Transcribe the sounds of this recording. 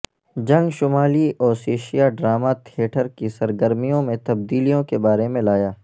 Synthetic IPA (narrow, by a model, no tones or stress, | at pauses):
d͡ʒɐ̃ŋɡʃʊmaːliʔɔːɾseːʃijaɖɾaːmat̪ʰeːʈʰəɾkisɐɾɡəɾmijõmẽt̪ɐb̚d̪iːlijõkebaːɾemẽlaːjaː